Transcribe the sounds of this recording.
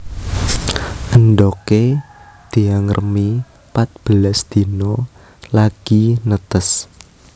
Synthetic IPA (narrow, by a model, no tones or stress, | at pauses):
ʔənd̪ɔke | d̪̥i̤aŋərʔəmi | pat̪̚b̥əlasd̪̥i̤nɔ | laɡ̥inət̪əs